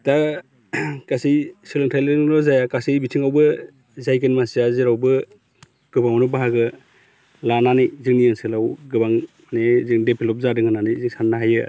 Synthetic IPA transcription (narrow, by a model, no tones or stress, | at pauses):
ta | kasijsilɯŋtʰalɯɾɔzajakasijbitʰiŋawbɯ | zajkɯnmasiaziɾawbɯ | ɡ̥ɯbaŋɔnɔbaɦaɡɯ | lananɯjzɯŋnijɯŋsɯlawɡɯbaŋmanezɯŋdepʰilɔp̚zadɯŋɯnanɯjziŋsanːaɦajɯ